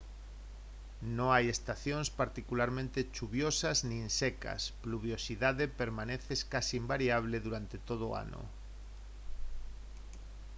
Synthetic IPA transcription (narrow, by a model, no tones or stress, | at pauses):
nõŋajest̪aθjõŋspaɾt̪ikulaɾmẽnt̪et͡ʃuβjosazninseka̰spluβ̞josiðaðepeɾmãneθeskasiimbaɾiaβ̞leðuɾant̪et̪oð̞ʊo̰a̰no̰